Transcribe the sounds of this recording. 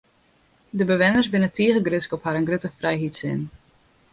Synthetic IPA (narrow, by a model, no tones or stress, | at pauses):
dəbəʋɪnərsbɪnətiəɣəɡrøskɔphaɾənɡrøtəfrɛjɦitsɪ̰n